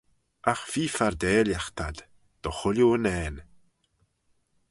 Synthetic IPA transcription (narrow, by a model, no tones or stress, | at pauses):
aχv̥iːfardeːljaχtʰad̥ | d̥ɔχʊljuənɛːn